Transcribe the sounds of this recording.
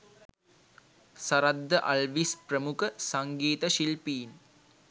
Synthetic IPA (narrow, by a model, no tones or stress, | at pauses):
sɐɾɐd̪ːɐʔɐlʋispɾɐmukɐsɐŋɡeːt̪ɐʃilpiːn